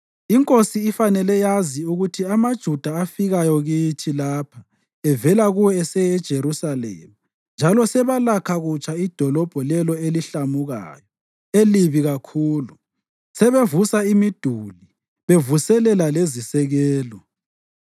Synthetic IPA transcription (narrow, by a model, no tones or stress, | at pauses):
iŋkʼosiːfanɛlɛjaziuɣutʰiamad̥ʒ̥ʱud̥ʱaːfiɣajɔɣitʰilapʰḁ | ɛvɛlaɣuwɛɛsɛjɛd̥ʒ̥ʱeɾusalɛ̰ːmu | nd͡ʒʱalɔsɛβalakʰaɣut͡ʃʼaid̥ʱɔlɔb̥ʱɔlɛlɔeliɬamuɣa̰ːjɔ | eliβiɣakʰuːlu | sɛβevusaimid̥ʱuli | βevusɛlɛlalezisɛɣɛːlɔ